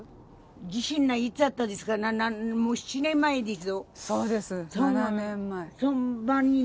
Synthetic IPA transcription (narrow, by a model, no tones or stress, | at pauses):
d͡ʑiɕĩnːait͡sɨat̪ːad̪esɨ̥kananamoːɕi̥t͡ɕinẽ̞mːaed̪es̬ɨosoːd̪esɨsoːnãẽmːaesõmbãɲːi